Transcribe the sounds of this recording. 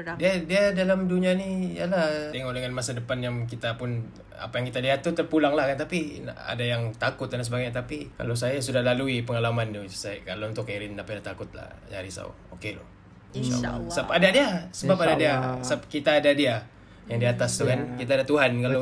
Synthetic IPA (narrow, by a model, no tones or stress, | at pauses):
diadiadalamduɲianija̰laht̪eŋɔʔdəŋanmasadəpanjaŋk̬it̪apʊn | a̰pajaŋkit̪aliɦat̪ːut̪ərpulaŋlahkant̪apina̰a̰dajaŋt̪akʊt̪̚adansəbaɡajɲat̪apika̰los̬ajasudahlaluipəŋalamantusakalount̪ʊkːaɾɪnapadat̪akʊt̪̚la̰hd͡ʒa̰ɾisa̰ṵ | okelʊ̰ | nʃa̰a̰l̰a̰sapadadiasəbapadadiasap̚kit̪aːdadia | jaŋdiaːt̪ast̪ukankit̪aːdat̪uɦankalo